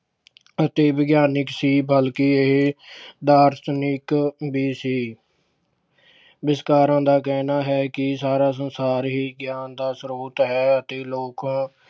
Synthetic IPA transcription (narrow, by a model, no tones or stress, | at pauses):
ət̪eːʋɪɡjaːnɪksiːbəlkiːeɦd̪aːɾsnɪkbiːsiː | bɪskaːɾãːd̪aːkɛːnaːɦɛːkɪsaːɾaːs̬ənsaːɾɦiːɡjaːnd̪aːsɾuːt̪ɦɛːət̪eːloːkãː